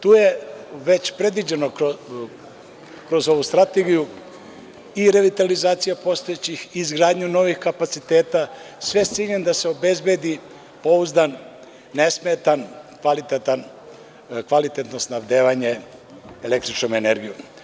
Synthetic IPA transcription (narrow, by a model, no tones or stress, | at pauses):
t̪uːje̞ʋe̞t͡ɕpɾe̞d̪ʋid͡ʑe̞no̞o | kɾo̞zo̞ʋust̪ɾat̪e̞ɡiju | iɾe̞ʋit̪alizaːt̪sijapo̞st̪o̞jet͡ɕixizɡɾaːd̪ɲuno̞ʋixkapat̪sit̪e̞ːt̪asʋe̞t̪siʎend̪ase̞o̞be̞zbe̞d̪i | po̞uzd̪anː | e̞smet̪ankʋalit̪et̪an | kʋalit̪e̞t̪no̞snaʋd̪eːʋaɲe̞ | ele̞k̚t̪ɾit͡ʃno̞me̞ne̞ɾɡijum